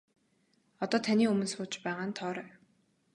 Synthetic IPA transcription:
ɔt̪ɔːt̪ʰanʲiːɵmɵ̆nsʊːt͡ɕpæːʁaːnt̪ʰɔːɾæː

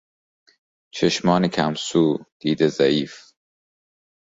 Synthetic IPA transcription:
t͡ʃʰeʃmɒːnekʰæmsuːd̪̥iːd̪ezæiːf

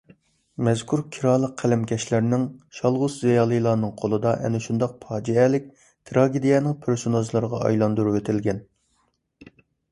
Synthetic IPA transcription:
mɛz̥kʰuɾkʲʰiɾɑːlˠəqʰːælɪmkʲʰɛʃlæɾnɪŋʃɑlˠʁʊzzijɑːlˠɨjlˠɑːnɨŋqʰolˠɨd̪ɑʔɛ̰nɪʃund̪ɑq̚pʰɑːd͡ʒiɛlɪk̚ʲ | t̪ʰɾɑɡʲed̪ijɛnɪŋpʰeɾsonɑzlˠɨɾəʁɑɑ̰jlˠɑnd̪uɾuwet̪ʰɪlɡʲɛn

